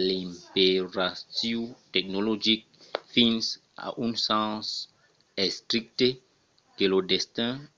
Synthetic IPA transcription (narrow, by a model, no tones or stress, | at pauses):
lĩmpeɾasiwtɛk̚nolod͡ʒik̚fĩns | a̰ʔũnsãs | ɛst̪ɾik̚t̪e | kelodest̪ɛ̃